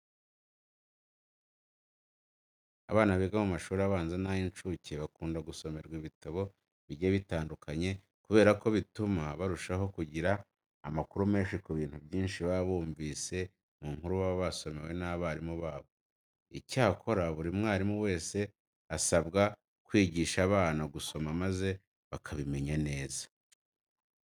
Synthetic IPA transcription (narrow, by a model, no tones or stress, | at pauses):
a̰βaːnaβeɡamumaʃuːɾiaβaːnzanajint͡ʃuceβakuːndaɡuso̞me̞ɾɡwiβitaβo̞ | βiɾɟeβitaːndukʰaɲe̞ | kuβe̞ːɾako̞βitumaβaɾuʃaɦo̞kuɟiɾa̰ː | makuɾume̞ːnʃikuβiːn̥hubjiːnʃiβaβuːɱviːse̞ | muŋhuɾuβaβaβaso̞me̞we̞naβaɾimuβaːβo̞ | icaːkʰo̞ɾaβuɾimŋaːɾimuwe̞ːse̞ | asabɡa | kwiːɟiːʃaːβaːnaɡuso̞mamaze̞ | βakʰaβime̞ɲane̞ːzḁ